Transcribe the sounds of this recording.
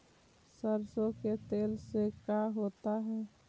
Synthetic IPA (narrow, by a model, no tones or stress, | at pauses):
səɾsõket̪eːlsekaːɦoːt̪aɦɛː